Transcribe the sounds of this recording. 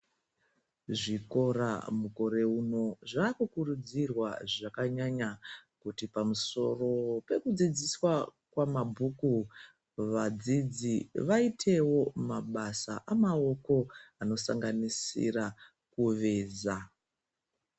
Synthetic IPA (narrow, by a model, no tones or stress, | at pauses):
ʐiko̞ra̰muko̞ɾe̞uno̞ʐaːkukurud͡zirwaʐakaɲaɲakutipamuso̞̰ro̞pe̞kud͡zid͡ziswakwamabʱuku | ʋad͡zid͡ziʋaitʰe̞wo̞maɓasa̰ʔamao̞ko̞ano̞sa̰ŋɡanisḭra | kuʋe̞ːza